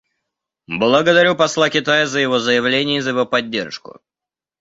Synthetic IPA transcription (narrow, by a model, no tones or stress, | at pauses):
blˠəɡəd̪ɐɾʲupɐslˠakʲɪt̪ajəzəjɪvo̞zəjɪvlʲenʲɪjəzəjɪvo̞pɐdʲːe̞rʂkʊ̰